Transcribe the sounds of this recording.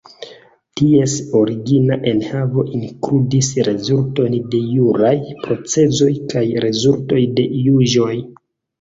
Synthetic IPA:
tie̞so̞ɾiɡinaʔe̞nhavo̞ʔiŋkɾudisɾe̞zulto̞nde̞juɾajpɾo̞t͡se̞zo̞jkajɾe̞zulto̞jde̞juʒo̞j

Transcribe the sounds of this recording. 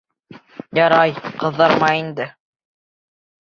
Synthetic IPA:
jɑɾɑjqɤ̆ðːɑɾmɑjind̪ɘ

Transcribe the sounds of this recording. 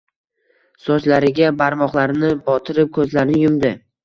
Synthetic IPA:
sɒt͡ʃlaɾɪɡʲabaɾmɒχlˠaɾnɪbɒt̪ʰɪɾɪp̚kʰɵzlaɾnɪjʊmd̪ɪ

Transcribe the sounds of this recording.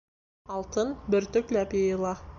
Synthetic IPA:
ɑlˠt̪ənbɪɾt̪ʏklæpeilˠɑ

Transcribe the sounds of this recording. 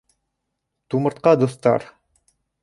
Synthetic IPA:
t̪umɤ̆ɾt̪̚qɑd̪ŏθt̪ɑ̰ɾ

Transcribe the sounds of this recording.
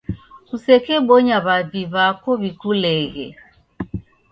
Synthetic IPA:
kusɛkɛɓɔɲaβaðiβakɔβikulɛɣɛ̰

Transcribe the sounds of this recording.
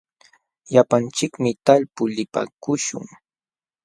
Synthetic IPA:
ʎapant͡ʃɪkmɪt̪alpʊlɪpa̰kʊʃʊ̰ŋ

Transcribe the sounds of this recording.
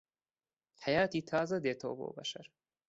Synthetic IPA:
hajɑːt̪it̪ʰɑːzad̪eːt̪ʰo̰ːbo̰ːba̰ʃaɾ

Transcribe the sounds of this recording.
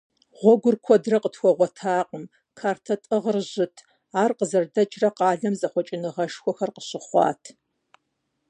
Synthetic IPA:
ʁʷɔɡʷʊrkʷʰɔdrɐqətxʷɔʁʷɔtʰaːqəm | kʰaːrtʰɐtʼɨʁərʑɪtʰ | aːrqəzɐrdɐt͡ʃʼrɐqɑːɮɐmzɐχʷɔt͡ʃʼɪnɨʁɐʃxʷɔxɐrqəɕɪχʷɑ̰ːtʰ

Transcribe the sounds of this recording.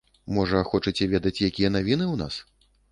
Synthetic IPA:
mɔʐɐxɔt͡ʂɨt͡sʲɛvʲɛd̪ɐt͡sʲjakʲijɐnavʲinɨwna̰s

